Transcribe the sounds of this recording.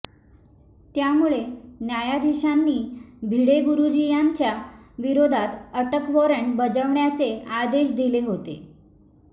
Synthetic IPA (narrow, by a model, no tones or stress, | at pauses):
t̪jamuɭenjajad̪ʱiɕanːiːbʱiɽeɡuɾud͡ʑijaɲt͡ɕjaʋiɾod̪ʱat̪əʈəkʋɔɾəɳʈbəd͡zəʋɳjat͡sead̪eɕd̪ileɦot̪e